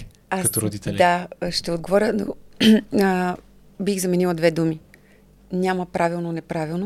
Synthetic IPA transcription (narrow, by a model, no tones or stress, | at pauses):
aoɾod̪it̪ɛlʲd̪aʃt̪ɛod̪̚ɡovɔɾʲəno̰ | bixzɐmɛnilˠɐd̪vɛd̪umi | nʲaməpɾʔavilˠnonɛpɾavilˠno